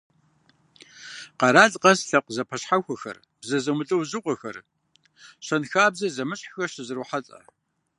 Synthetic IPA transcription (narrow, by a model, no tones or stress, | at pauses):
qɐɾaːɮʼqɐsɬɐqʷzɐpʰɐɕħaxʷɐxɐ̰r | b̥zɐzɐmɨɬʼɨwzɨqʷʼɔxɐr | ɕɐnxaːbzɐzɐmɨɕʼħxɐɕɪzɨɾuħaɬʼɐ̰